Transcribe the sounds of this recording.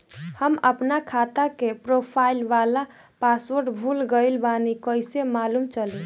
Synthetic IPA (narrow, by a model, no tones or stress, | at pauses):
həməpnakʰat̪akepɾopʰailʋala | paswoɾɖbʱulɡəilbanikəɪsemaːlumt͡ʃəli